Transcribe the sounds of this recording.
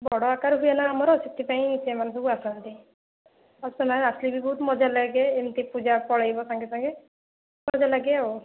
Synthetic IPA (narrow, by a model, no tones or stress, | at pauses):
bɔɽɔakaɾɦujanaːmɔɾɔsit̪ːipaĩsʰemanũs̬ɔbuasant̪i | ɔstɔmanaslibibɔɦut̪mɔd͡ʒʱalaɡeemt̪ipud͡ʒapɔɽajbɔsãŋɡesãŋɡe | mɔd͡ʒʱalaɡeɔw